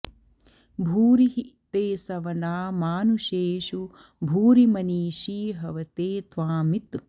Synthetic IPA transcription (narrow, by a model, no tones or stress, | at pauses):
bʱuːɾiɦit̪eːsɐʋɐnaːmaːnuʃeːʃu | bʱuːɾimɐniːʃiːɦɐʋɐt̪eːt̪ʋaːmit̪